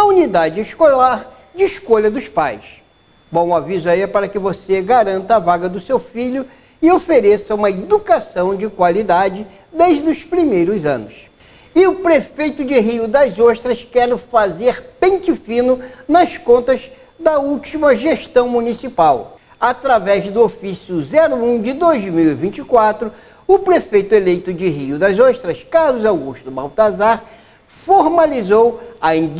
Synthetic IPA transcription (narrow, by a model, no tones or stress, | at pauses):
ɐunid̪ad͡ʒɪiʃkolaɾ | d͡ʒɪːʃkoʎɐd̪ʊspa̰js | bõw̃ʊavizʊaiɛpaɾɐkɪvoseɡaɾɐ̃nt̪ɐːvaɡɐd̪ʊsewfiʎʊ | ɪofeɾesɐũmɐed̪ukasɐ̃w̃d͡ʒɪkwalid̪ad͡ʒɪ | d̪eʒd̪ʊspɾimejɾʊzɐ̰̃nʊs | ɪʊpɾefejt̪ʊd͡ʒɪɦiʊd̪ɐzoʃt̪ɾɐskɛɾʊfazeɾpẽt͡ʃifĩnʊnɐskõnt̪ɐz | d̪ɐuwt͡ʃimɐʒeʃt̪ɐ̃w̃munisipaw | at̪ɾavɛzd̪ʊofisjʊzɛɾʊũd͡ʒɪd̪ojzmiwɪvĩt͡ʃikwat̪ɾʊ | ʊpɾefejt̪ʊelejt̪ʊd͡ʒɪɦiʊd̪ɐzoʃt̪ɾɐskaɾlʊzawɡuʃt̪ʊba̰wt̪azaɾ | foɾmalizowɐĩd͡ʒ